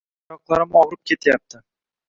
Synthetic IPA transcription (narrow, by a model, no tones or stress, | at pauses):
ɒqlˠaɾɪmɒwɾɪp̚kʲʰe̞t̪ʰjap̚t̪ʰɪ